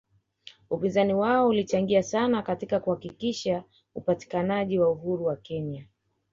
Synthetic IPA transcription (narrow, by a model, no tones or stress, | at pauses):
upinzaniwaɔulit͡ʃaŋɡiasanakatikakuhakikiʃa | upati̥kanaʄiwauɦuɾuwakɛɲa